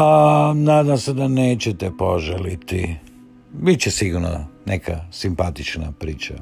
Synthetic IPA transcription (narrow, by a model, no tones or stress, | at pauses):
anaːd̪amsed̪aneːt͡ɕet̪epoʒelit̪i | bit͡ɕesiɡuɾno̰nekʰasimpat̪it͡ʃna̰pɾiːt͡ʃa̰